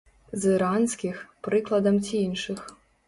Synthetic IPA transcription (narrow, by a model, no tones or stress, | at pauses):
zɨɾansʲkʲixpɾɨklˠɐd̪ɐmt͡sʲiinʂɨx